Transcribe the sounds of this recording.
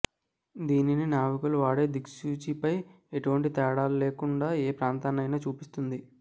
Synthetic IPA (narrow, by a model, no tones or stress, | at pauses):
d̪iːnininaːʋukuluʋaːɽe̞ːd̪iksuːt͡ʃipɐj | eʈuʋɐɳʈit̪ɛːɽaːlule̞ːkuɳɖaːeːpɾaːnt̪aːnɐjnaːt͡ʃuːpist̪und̪i